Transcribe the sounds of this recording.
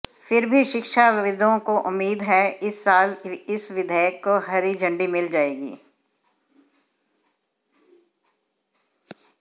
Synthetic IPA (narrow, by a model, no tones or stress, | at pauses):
fɪɾbʱiʃɪkʃaɪʋɪd̪ʱõkoʔʊmːiːd̪ɦɛɪsːaːlɪsʋɪd̪ʱəjəkːoɦɐɾid͡ʒɐ̃ɳɖimɪld͡ʒaːeːɡḭː